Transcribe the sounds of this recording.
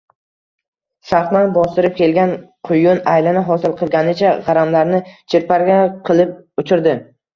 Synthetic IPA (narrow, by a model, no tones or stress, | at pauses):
saɾχnanbɒst̪ɪɾɪp̚kʲʰe̞lɡʲanqʰʊjʊnajlɪnɪɦɒsɪlˠqʰɨlˠɡʲanɪt͡ʃʰaʁɑɾamlaɾnɪt͡ʃʰɪɾpaɾɡʲaqʰɨlˠɪp̚ʊt͡ʃʰɪɾd̪ɪ